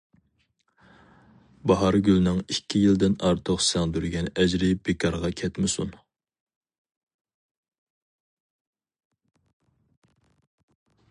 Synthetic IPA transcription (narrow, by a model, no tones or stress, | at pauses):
bɑɦɑɾɡʲylnɪŋikʲʰːijild̪ɪnɑɾt̪ʰoqsɛŋd̪yɾɡʲɛnɛd͡ʒɾɪb̥ekʰɑɾʁɑkʲʰɛt̪mɪsṵn